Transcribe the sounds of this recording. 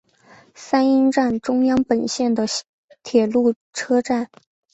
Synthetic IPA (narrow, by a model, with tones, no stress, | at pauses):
sa˥ni˥nʈ͡ʂa˥˩nʈ͡ʂʊ˥ŋjɑ˥ŋpə˨˩nɕjɛ˥˩nd̪ə˩ | t̪ʰjɛ˨˩lu˥˩ | ʈ͡ʂʰɤ˥ʈ͡ʂa˥˩n